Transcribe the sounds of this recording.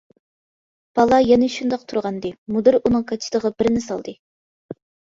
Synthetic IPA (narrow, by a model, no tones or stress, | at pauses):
b̥ɑlˠɑjɛnɪʃund̪ɑq̚t̪ʰuɾʁɑnd̪ɨmud̪ɨɾunɨŋkʰɑt͡ʃʰi̥t̪əʁɑbɪɾnɪsɑ̰lˠd̪ɨ